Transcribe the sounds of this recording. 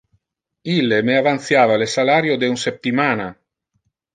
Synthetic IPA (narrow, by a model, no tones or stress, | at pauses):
ilːemeavant̪θjaːvalesalaɾjod̪eunsep̚t̪imaːna